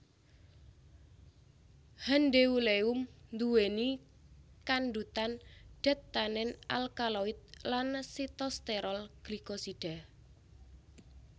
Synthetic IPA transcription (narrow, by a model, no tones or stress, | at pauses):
hanɖeuleumnd̪uweni | kanɖut̪anɖ̥a̤t̪ːanɛnʔa̰lkalɔɪt̪̚lansit̪ɔst̪eɾɔlɡ̥likosiɖ̥a̤